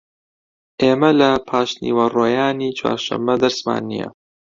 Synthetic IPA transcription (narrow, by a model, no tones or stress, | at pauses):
ʔeːmɐlɐpʰaːʃnḭwɐroːjaːniːt͡ʃʰwa̰ːɾʃɐ̰mːɐd̪ɐɾsma̰ːnːḭjɐ̰